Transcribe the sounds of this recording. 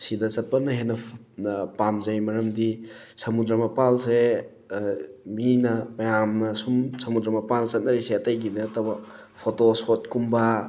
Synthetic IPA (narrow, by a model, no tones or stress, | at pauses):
sidɐt͡ʃɐt̚pɐnɐɦenːɐ | pamzɐjmɐɾɐmdisɐmudɾɐmɐpalse | minɐmɐjamnɐsumsɐmudɾɐmɐpalsɐt̚nɐɾiseɐtɐjɡiniɐtɐbɐ | pʰotosot̚kumba